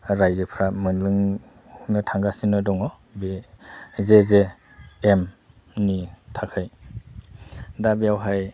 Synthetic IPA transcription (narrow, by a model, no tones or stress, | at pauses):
ɾajzɯpʰɾamɯnlɯŋ | nɯtʰaŋɡasinɯdɔŋɔ | be | zezeː | m | nitʰakʰɯj | dabiawɦaj